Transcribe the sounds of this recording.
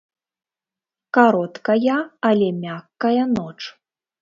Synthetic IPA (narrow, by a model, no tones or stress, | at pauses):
kaɾɔt̪kɐjɐːlʲɛmʲakːɐjɐnɔt͡ʂ